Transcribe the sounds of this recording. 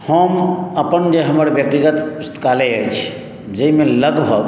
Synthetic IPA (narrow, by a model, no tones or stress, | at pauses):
həməpənd͡ʒeɦəməɾbjək̚t̪iɡət̪ust̪ʰkaleəjt͡ʃʰi̥ | d͡ʒeimẽləɡbʱəɡ